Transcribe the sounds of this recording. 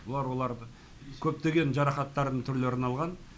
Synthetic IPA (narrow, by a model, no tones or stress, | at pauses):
wo̞lˠɑɾwo̞lˠɑɾə | kʲʰɵp̚t̪e̞ɡʲe̞nʒɑɾɑχɑt̪ːɑɾd̪əɴt̪ʰʏɾle̞ɾɪnɑlˠʁɑn